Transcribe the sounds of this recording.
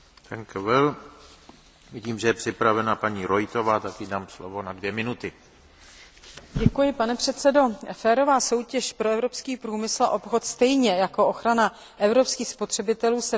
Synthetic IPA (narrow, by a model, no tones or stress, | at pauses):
t̪ɛŋkvɪl | viɟiːmʒɛjɛpr̥ɪpɾavɛnapaɲiːɾojt̪o̞vaːt̪akɪdaːmslo̰vo̞nadvjɛmɪnut̪ɪ | ɟɛkujɪpanɛpr̝̥ɛt̪sɛdo̞fɛːɾo̞vaːso̞wcɛʃpɾoɛvɾo̞pskiːpɾuːmɪsl̩a̰ʔo̞pxo̞t̪st̪ɛjɲɛjako̞ʔoxɾana | ʔɛvɾo̞pskiːxspo̞t̪r̝̥ɛbɪt̪ɛluːsɛ